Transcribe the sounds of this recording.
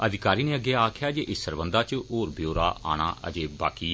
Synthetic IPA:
əd̪ɪkaːɾiːnẽːəɡeːaːkʰjaːd͡ʒeːʔɪsəɾbənd̪aːt͡ʃoːɾbjoːɾaːʔa̰ːna̰ːʔə̰d͡ʒeːba̰ːkiː

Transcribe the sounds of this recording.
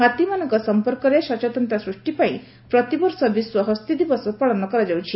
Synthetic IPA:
ɦat̪imanɔŋkɔsɔmpɔɾkɔɾeʃɔt͡ʃat̪ɔnt̪asɾuʂʈipaĩ | pɾɔt̪ibɔɾsɔbiswɔɦɔst̪ʰid̪ibɔsɔpɔɭɔnɔkɔɾad͡ʒawt͡ʃʰi

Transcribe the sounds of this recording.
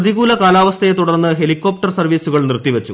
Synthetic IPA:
ðiɣuːlɐkaːlaːʋɐst̪ʰɐjet̪uɽɐrnːɨɦe̞likːo̞ːp̚ʈɐrsɐrʋiːsuɣɐɭnirt̪iʋet͡ɕːu

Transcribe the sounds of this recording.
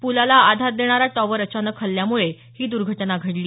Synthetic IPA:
pulalaad̪ʱaɾd̪eɽ̃aɾaʈɔʋəɾət͡ɕanəkʰːəlːjamuɭe | hiːd̪uɾɡʱəʈnaɡʱəɽliː

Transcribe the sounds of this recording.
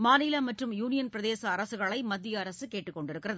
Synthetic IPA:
maːnɪlɐmɐʈrɯmjuːnɪjɐnpɪɾɐðeːsɐːɾɐsɯɣɐɭɐɪmɐd̪ːɪjɐːɾɐsɯkeːʈːɯkːɔɳɖɪɾɯkːɪrɐðɯ

